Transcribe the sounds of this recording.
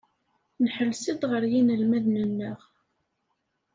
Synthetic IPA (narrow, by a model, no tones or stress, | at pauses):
nħəlsəðʁəɾjinəlmæðnənːəʁ